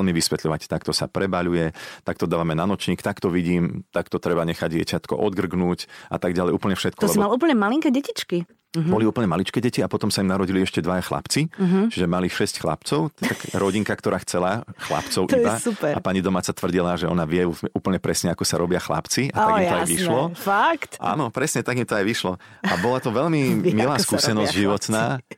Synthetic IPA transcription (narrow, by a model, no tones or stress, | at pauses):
lmiʋisʋɛt̪lʎɔʋact̪akt̪ɔsa̰pɾɛbaʎujɛt̪ak̚t̪ɔd̪aːʋamɛnanɔt͡ʃɲiːkt̪akt̪ɔʋiɟiːmt̪akt̪ɔt̪ɾɛbaɲɛxaɟɪɛ̰cat̪kɔ̰ʔɔd̪ɡr̩ɡnuːcʔa̰t̪aɡɟalɛjuːpl̩ɲɛfʃɛt̪̚kɔɔlɛsibaluːp̬l̩ɲɛmaliŋkɛɟɛcit͡ʃki | bɔliuːpl̩ɲɛmalit͡ʃkɛɟɛciapɔt̪ɔmsaimnaɾɔɟiliɛʃcɛd̪ʋajaxla̰pt͡siɦt͡ʃiʒɛmaliʃɛscxla̰pt͡sɔʊakɾɔɟiŋkakt̪ɔɾaːxt͡sɛlaxla̰pt͡sɔʊʔtibasupɛɾa̰paɲid̪ɔmaːt͡sat̪ʋr̩ɟilaʒɛɔnaʋɪɛuɛuːpl̩ɲɛpɾɛsɲɛakɔsaɾɔbɪaxla̰pt͡siat̪aɡimt̪ɔajʋiʃlɔfakt̪ʔa̰nɔpɾɛsɲɛt̪aɡimt̪ɔajʋiʃlɔabɔlat̪ɔʋɛʎmimilaːskuːsɛnɔzɟʒiʋɔt̪naː